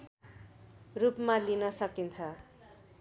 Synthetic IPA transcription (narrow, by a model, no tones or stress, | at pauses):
rupmalinʌsʌkint͡sʰʌ